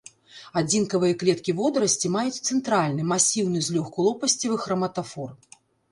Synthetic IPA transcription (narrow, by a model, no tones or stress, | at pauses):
ad͡zʲinkɐvɨjɐklʲɛt̪kʲivɔd̪ɾɐsʲt͡sʲimajut͡sʲt̪sɛnt̪ɾalʲnɨmasʲiwnɨzʲlʲɔxkulˠɔpɐsʲt͡sʲivɨxɾɐmɐt̪afɔr